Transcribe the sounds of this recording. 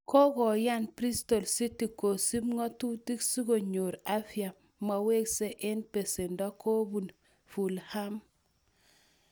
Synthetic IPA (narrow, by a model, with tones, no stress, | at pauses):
kɔ˦kɔ˨ja˦npɾi˦sto˨lsi˦ti˨ko˨si˦mŋɔ˦tu˦ti˦ksi˦ɡo˨ɲo˨ɾa˦fja˨ | ma˨we˦kse˦ʔɪ˦npe˨se˨ndɔ˦kʰo˦bu˨n | fu˨lha˦m